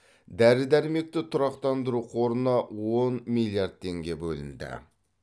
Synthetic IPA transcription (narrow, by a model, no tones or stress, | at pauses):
d̪æɾɪd̪æɾɪme̞k̚t̪ɪt̪ʰʊɾɑqt̪ɑnd̪əɾuqʰoɾənɑwonmilʲˠjard̪̚t̪ʰːe̞ŋɡʲe̞bɵlɪ̰nd̪ɪ̰